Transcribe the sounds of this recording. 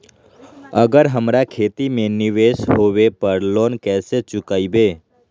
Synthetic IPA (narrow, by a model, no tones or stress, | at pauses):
əɡəɾɦəmɾakʰeːt̪imẽnɪʋeʃɦoːʋepəɾloːnkɛːset͡ʃʊkaːibeː